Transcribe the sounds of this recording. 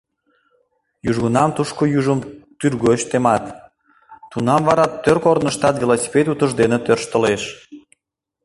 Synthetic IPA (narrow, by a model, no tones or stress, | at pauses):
juʒɣənɑmt̪uʃkojuʒəmt̪yrɣoɕt̪emɑt̪ː | unɑmvɑɾɑt̪ːørkoɾnəʃt̪ɑt̪vʲilosʲi̥pet̪ut̪əʒd̪enet̪ørʃt̪əleʃ